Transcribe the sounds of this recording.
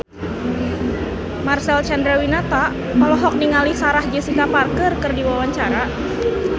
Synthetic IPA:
marsɛlt͡ʃandɾɛwinat̪aʔ | kalɔɦɔk̚niŋalisaɾahd͡ʒəsikaparkərkɨrdiwawaɲt͡ʃaɾa

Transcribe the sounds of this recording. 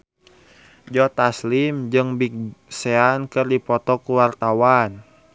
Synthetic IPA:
d͡ʒɔt̪aslimd͡ʒɨŋbik̚sɛankɨrdipɔt̪ɔkuwart̪awan

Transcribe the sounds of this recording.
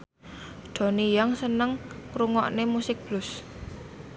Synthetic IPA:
ɖ̪̥ɔ̤nijaŋsənəŋkɾuŋɔ̰ʔnemusɪk̚b̥lʊs

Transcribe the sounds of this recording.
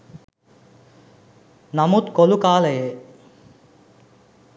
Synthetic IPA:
namut̪kolukaːləje

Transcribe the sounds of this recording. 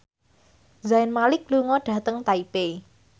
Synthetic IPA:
zaɪnmalɪk̚luŋɔɖ̥ä̤t̪əŋt̪aipe

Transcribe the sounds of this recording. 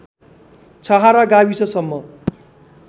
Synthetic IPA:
t͡sʰʌɦaɾaɡawit͡sʰʌsʌmːʌ

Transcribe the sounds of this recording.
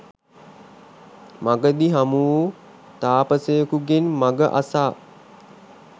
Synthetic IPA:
maɡəd̪iɦamuu | t̪aːpəsəjəkuɡenmaɡəʔa̰saː

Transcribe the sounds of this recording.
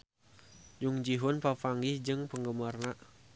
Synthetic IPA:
d͡ʒuŋd͡ʒiɦʊnpafaŋɡɪhd͡ʒɨŋpəŋɡəmərnaʔ

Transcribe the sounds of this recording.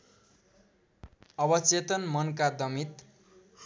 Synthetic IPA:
ʌbʌt͡set̪ʌnmʌnkad̪ʌmit̪

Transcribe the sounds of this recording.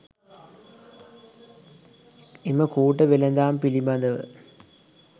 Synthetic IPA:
imɐkuːʈːɐʋelɐnd̪aːmpilimad̪ɐʋɨ̰

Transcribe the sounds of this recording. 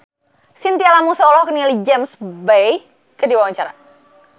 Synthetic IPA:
sint̪ialamusɔlɔhkənilid͡ʒɛmsbej | kədiwawaɲt͡ʃaɾa̰

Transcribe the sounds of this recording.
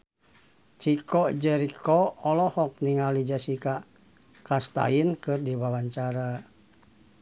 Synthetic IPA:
t͡ʃikɔd͡ʒɛɾikɔɔlɔhɔk̚niŋalid͡ʒasika | kast̪a̰inkɨrdiwawaɲt͡ʃaɾa

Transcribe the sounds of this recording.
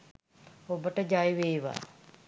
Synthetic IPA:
obəʈəd͡ʒajʋeːʋa̰

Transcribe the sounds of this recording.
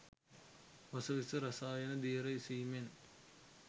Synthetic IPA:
ʋɐsɐʋisɨɾɐsaːjɐnɐd̪iːɾɐjsiːmen

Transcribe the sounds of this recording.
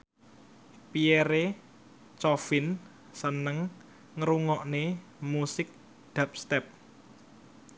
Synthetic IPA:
pieɾe | t͡ʃɔfɪn | sənəŋː | əɾuŋɔʔnemusɪk̚ | d̪̥a̤p̚st̪ɛp̚

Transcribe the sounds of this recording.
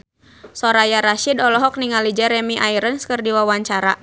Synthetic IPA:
sɔɾajaɾaʃidɔlɔɦɔk̚niŋalid͡ʒɛɾɛmiʔaiɾənskərdiwawaɲt͡ʃaɾa

